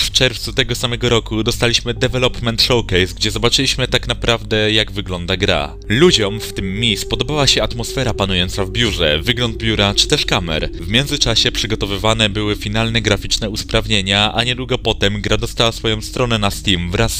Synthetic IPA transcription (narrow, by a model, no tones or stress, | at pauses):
ft͡ʂɛɾft̪sut̪ɛɡɔsamɛɡɔɾɔkud̪ɔst̪alʲiɕmɘd̪ɛvɛlɔpmɛnt̪ʂɔwkɛjsɡd͡ʑɛzɔbat͡ʂɘlʲiɕmɘt̪aknapɾʔavd̪ɛjaɡvɘɡlɔnd̪aɡɾa̰ | lud͡ʑɔmft̪ɘmːʲispɔd̪ɔbawaɕɛat̪mɔsfɛɾapanujɔnt̪savbʲjuʐɛ̰vɘɡlɔnd̪̚bʲjuɾat͡ʂɘ̥t̪ɛʂkamɛ̰ɾvmʲjɛnzɘt͡ʂaɕɛpʂɘɡɔt̪ɔvɘvanɛbɘwɘfʲinalnɛɡɾafʲit͡ʂnɛuspɾavɲeɲaaɲɛd̪wuɡɔpɔt̪ɛmɡɾad̪ɔst̪awasfɔjɔ̃w̃st̪ɾɔnɛnast̪imvɾas